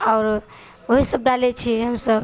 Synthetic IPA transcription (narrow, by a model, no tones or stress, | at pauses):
aʊɾ | oɦisəbɖalet͡ʃʰiɦəmsəb